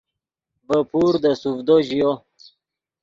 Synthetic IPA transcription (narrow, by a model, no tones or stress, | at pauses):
bəpʰuɾd̪əsuvd̪oʑijo